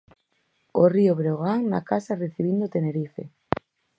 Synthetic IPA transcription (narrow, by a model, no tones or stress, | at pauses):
orioβɾeɣaŋna̰kasareθiβ̞ind̪ot̪eneɾifḛ